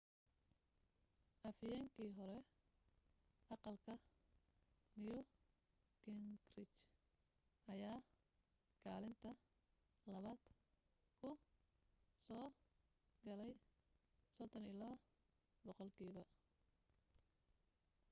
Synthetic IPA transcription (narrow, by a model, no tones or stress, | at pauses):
ʔɐfɪjɛːŋkʰiːɦɔɾɛ | ʔɑqɑlkʰɐ | nɪjʊ | kʰɪŋɡrɪt͡ʃ | ʔɐjaː | kʰaːlɪnt̪ʰɐ | lɐβaːd̪̥ | kʰʊ | sɔː | ɡɐlɛj | sɔd̪ɔniːlɐβɐ | bɔqɔlkʰiːβɐ